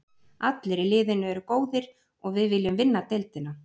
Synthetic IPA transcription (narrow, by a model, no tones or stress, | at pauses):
at̪lɪɾɪlɪːðɪnːʏɛɾʏkoːwðɪɾ̥ | ɔɣvɪðvɪljʏmvɪnːat̪ejlt̪ɪna